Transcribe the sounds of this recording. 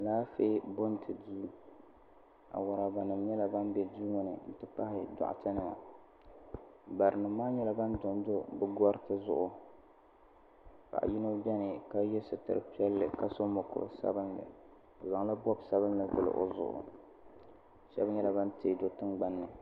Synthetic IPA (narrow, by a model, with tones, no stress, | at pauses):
laː˦fe˦bo˦ntʰɨ˨di˦ | a̰˨wʊ˨ɾa˨ba˨nɨ˨mɲɛ˦la˨ba˦nbɛ˨du˦ŋo˦nɨ̰˨n̩˨tɨ˦pa˦hɪ˦da̰˨ʔtɨ˦nɨ˨ma̰˨ | ba˨ɾɨ˨nɨ˨˦maː˦ɲɛ˦la˦ba˦ndʊ˨m˦do˦bɨ˦ɡɔ˦ɾtɨ˦zʊ˨ʔʊ˦ | ka̰˨ʔjɪ˦no˦bɛ˦nɨ˨ka˦jɛ˦sɨ˨tɨ̰˨ɾɨ̰˨pi˦ɛ˦lːɨ˨ka˦so˦mo˨kʊ̰˨sa̰˦bɨ˦nːɨ̰˨ | o˨za˨ŋla˦bɔ˦bsa˦βɨ˦nlɨ˨vɨ̰˦˨lɨ̰˨ʔo̰˦zʊ̰˨ʔʊ̰˨ | ʃɛ˦bn˦jɛ˦la˦ba˦nte˨˦˨do˦tɨ˦ŋɡ͡ba˦nːɨ˨